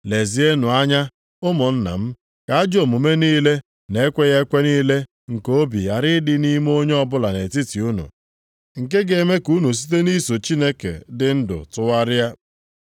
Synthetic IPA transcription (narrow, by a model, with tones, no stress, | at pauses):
le˨zi˨e˦nʊ˨a˦ɲa˦ | ʊ˦mʊ˨n̩˦na̰˨m̩˦ | ka˨a˦d͡ʒo˨mu˨me˦niː˦le˦ | ne˨˦kʷe˦ɣa˦kʷe˦niː˦le˦ | ŋ̩˨ko˦bḭ˨a˨ɾɪ˦dɪ˦ni˦m˦o˦ɲe˦ɔ˦bʊ˦la˨ne˨ti˦ti˨u˦nṵ˨ | ŋ̩˨ke˦ɡe˨me˦ku˦nu˨s̬i̥˦t̬e˦ni˦so˨t͡ʃi˦ne˦kḛ˨dɪ˨n̩˦dʊ̰˨tʊ˦wa˦ɾɪ˦ja˦